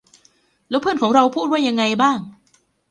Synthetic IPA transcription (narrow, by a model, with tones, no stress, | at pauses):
lɛː˦˥pʰɯː˥˩nkʰɔː˩˦ŋɾa˧wpʰuː˥˩t̪̚waː˥˩ja˧ŋːa˧jbaː˥˩ŋ